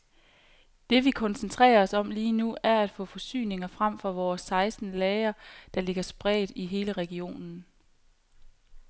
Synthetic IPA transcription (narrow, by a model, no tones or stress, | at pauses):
d̥e̝ʋikʰɒ̽nsənt͡sʰʁɛ̰ːɐɒ̽sɒ̽mliːnuæɐæd̥fɔ̰̽ːfɒ̽sy̰ːne̝ŋɐfʁam̰fɒ̽ʋɒːsːɑ̈ɪsd̥n̩lɛːɐd̥ɑ̈le̝ɡ̥ɐsb̥ʁɛ̰ːd̥iɦe̝ːləʁɛɡ̥io̝̰ːnn̩